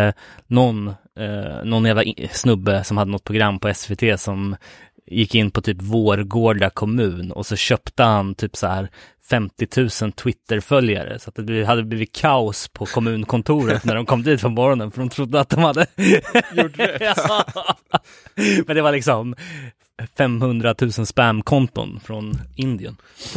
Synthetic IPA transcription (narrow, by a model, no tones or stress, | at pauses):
nɔn | nɔnjæːvlaʔsnɵbːəsɔmhad̪ːənɔt̪̚pʰɾʊɡɾamːpʰɔɛsvet̪ʰeːsɔm | jɪkːɪnːpʰɔt̪ʰyːpvoːɾɡoːɖakʰɔmʉ̟ːnɔ̰sɔɕœːpt̪əhant̪ʰyːpsɔhæːɾ | fɛmt̪ɪt̪ʰʉ̟ːsənt̪ʰwɪt̪ːəɾfœlja̰ɾə̰sɔat̪̚d̪ɛb̪had̪ːəbliːvɪt̪̚kʰaʊspʰɔkʰɔmʉ̟ːnkʰɔnt̪ʰuːɾət̪næɖɔmkʰɔmːd̪iːt̪fɔnmːɔɾɔnənfœɖɔmt̪ʰɾʊd̪ːəat̪̚d̪ɔmhad̪ːəj | mɛnd̪ɛvaɭɪksɔm | fɛmhɵnd̪ɾat̪ʰʉ̟ːsənspæmkʰɔnt̪ʊ̰nfɾɔnɪnd̪ɪə̰n